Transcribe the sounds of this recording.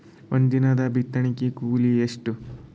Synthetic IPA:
ond̪inɐd̪ɐbʱit̪ːɐɳikikuːlieʂʈu

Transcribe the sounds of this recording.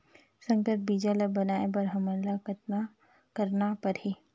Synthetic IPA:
sə̃ŋkət̪̚biːd͡ʒaləbɐnaːebɐɾɦəmənlakʰt̪a | kəɾnapɐɾhi

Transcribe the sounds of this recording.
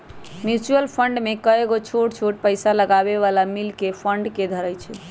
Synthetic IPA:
mjut͡ʃuəlpʰəɳɖmekəeɡot͡ʃʰoʈt͡ʃʰoʈ̚pəjsaləɡaβeβalamilkepʰəɳɖked̪ʱəɾəjt͡ʃʰɛ

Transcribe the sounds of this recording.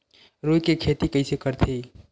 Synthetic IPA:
ɾojkekʰet̪ikəɪsekəɾt̪ʰi

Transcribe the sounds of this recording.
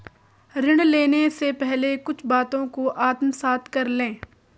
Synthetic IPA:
ɾɪɽ̃leːnesepɛɦlekʊt͡ʃʰbaːt̪õkoʔaːt̪msaːt̪ʰkɐɾlẽː

